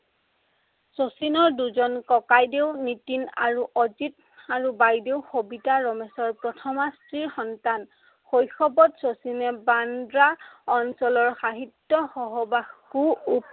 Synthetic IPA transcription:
sosinɔɹduzɔnkɔkajdewnitina̰ɹuʔɔzit | aɹubajdewxobitaɹɔmɛsɔɹpɹɔtʰɔmastɹiɹxɔntan | xojxɔbɔtsosinɛbandɹaɔnsɔlɔɹxaɦitːɔxɔɦɔbakuːp

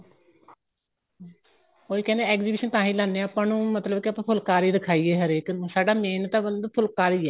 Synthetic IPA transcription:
oːiːkɛ̃nd̪eɛːkziːbiːʃənt̪ãːɦĩːlãːnːẽːaːpãːnũːmət̪ləbkɪəpãːpʰʊlkaːɾiːd̪ɪkʰaːiːeːɦəɾeːkːsaːɖaːmeːnt̪ãːbənd̪pʰʊlkaːɾiːɛː

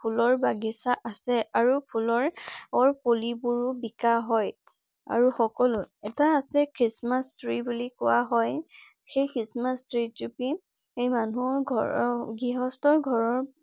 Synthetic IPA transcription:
pʰulɔɹbaɡisaʔasɛaɹupʰulɔɹɔɹpolibuɹubikaɦɔj | a̰ɹuxɔkɔlʊɛtaːsɛkɹismastɹibulikʊwaɦɔj | xejkɹismastɹitupi | ejmanuɔɡʱɔɡiɦɔstɔɹɡʱɔɹɔɹ

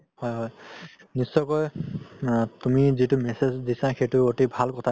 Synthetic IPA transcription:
hɔjɦɔj | nisːɔjkɔj | tumizitʊmɛsezdisãxejtʊotebʱalkɔtʰa

